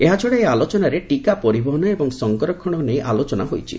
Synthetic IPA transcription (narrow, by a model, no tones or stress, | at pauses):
eɦat͡ʃʰɔɽeealot͡ʃɔnaɾeʈikapɔɾibɔɦɔnɔebɔŋsɔŋkɔɾɔkʰɔɽ̃ɔnejʔalot͡ʃɔnaɦojt͡ʃʰḭ